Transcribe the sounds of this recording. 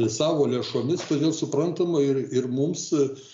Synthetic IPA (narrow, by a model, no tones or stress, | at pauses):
sɑːʋoːlʲeːʃoːmʲɪst̪oːd̪ʲeːlˠsʊpɾɐnt̪ɐmɐɪrɪrmʊms